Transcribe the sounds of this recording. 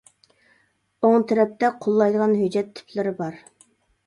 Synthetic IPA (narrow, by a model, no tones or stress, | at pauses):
oŋt̪ʰɛɾɛp̚t̪ʰɛqʰolˠːɑjd̪əʁɑnɦyd͡ʒːɛt̪ʰːy̥pʰlɪɾɪbɑɾ